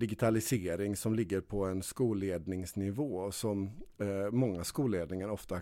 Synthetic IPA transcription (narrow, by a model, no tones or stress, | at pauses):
d̪ɪɡɪt̪ʰalɪseːɾɪŋsɔmlɪɡːəɾpʰɔɛnskuːleːd̪nɪŋsnɪvoːsɔmː | ɔŋːaskuːleːd̪nɪŋaɾɔft̪a